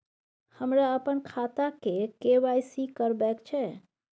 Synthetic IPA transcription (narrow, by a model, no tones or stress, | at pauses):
həmɾaəpənkʰat̪akekeʋajsikəɾbɛkt͡ʃʰɛ